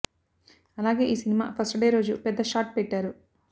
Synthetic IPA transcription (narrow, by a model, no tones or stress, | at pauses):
ɐlaːɡe̞ːʔiːsinima̰ːpʰɐsʈɖe̞ːɾo̞ːd͡ʒupɛd̪ːɐʃaːʈ̚pɛʈːaːɾu